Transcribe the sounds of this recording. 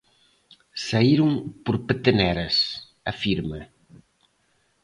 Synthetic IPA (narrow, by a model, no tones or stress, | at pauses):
saiɾʊŋpoɾpet̪enɛɾɐs | afiɾmɐ